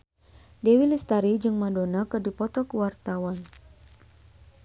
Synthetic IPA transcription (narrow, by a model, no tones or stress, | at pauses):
dewilist̪aɾid͡ʒɨŋmadonakɨrdipɔt̪ɔkuwart̪awan